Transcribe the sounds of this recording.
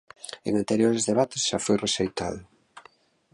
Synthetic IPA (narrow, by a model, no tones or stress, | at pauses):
ḛŋant̪eɾjoɾezðeβ̞at̪esʃafojreʃejt̪a̰ðʊ